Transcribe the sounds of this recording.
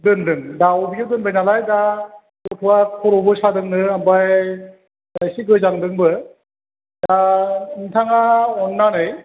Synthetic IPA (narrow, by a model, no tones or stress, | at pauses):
dɯndɯŋdawbijɯdɯnbajnalajda | ɔtʰɔwakʰɔɾɔbɯsadɯŋnɯambaj | lajsikɯzaŋdɯŋbɯ | daɯŋtʰaŋaɔnːanɯj